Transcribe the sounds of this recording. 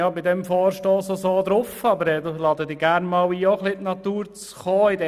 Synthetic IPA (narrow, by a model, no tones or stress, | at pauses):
ɑbidɛmfɔːɾʃtɔːsosoːd̪ɾʊfɑbəɾɛd̪olɑːdəd̪ɪːɡæɾnmɑːwiːoχlitnɑt̪uːɾt͡s | χɔːɪdɛ